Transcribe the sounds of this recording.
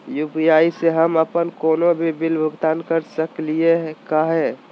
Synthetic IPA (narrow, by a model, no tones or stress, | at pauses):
jupijaːiseɦəməpənkoːnobʱibilbʱəɡt̪aːnkəɾsəklieɦkaɦɛ